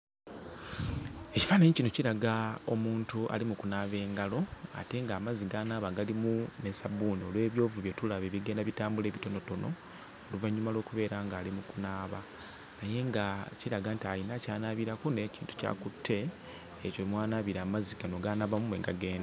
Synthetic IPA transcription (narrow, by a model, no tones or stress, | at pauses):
e̞ci̥faneɲicinociɾaɡao̞̰muːntuʔa̰limukunaːβe̞ːŋɡalo̞a̰te̞ŋɡaːmaziɡaːnaːβaɡalimunesabuːnio̞lwe̞ːβjo̞ːvuβje̞tulaβe̞βiɡe̞ːndaβitaːmbule̞ːβito̞no̞to̞no̞ | oluvaɲːumalo̞ːkuβe̞ːɾaŋɡaːlimukunaːβa | naje̞ŋɡaciɾaɡantainacaːnaːβiɾakoneciːntu̥ca̰ːkutʰːe̞ː | comwaːnaːβiɾaːmaziɡano̞ɡaːnaβamumweːŋɡaɡe̞ːnda